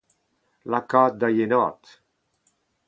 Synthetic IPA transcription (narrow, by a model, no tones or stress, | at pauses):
lakɔt̪̚d̪ajenɔt̪